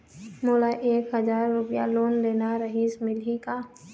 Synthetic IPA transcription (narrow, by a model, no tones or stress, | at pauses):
moːlaʔeːkɦəzaːɾːʊpja̰loːnleːnaɾəɦiːsmɪlɦikaː